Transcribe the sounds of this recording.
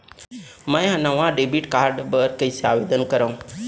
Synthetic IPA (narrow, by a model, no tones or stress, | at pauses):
mə̃jɦanaʋãɖebiʈkaːɾɖbəɾkəiseaːʋed̪ənkəɾaũ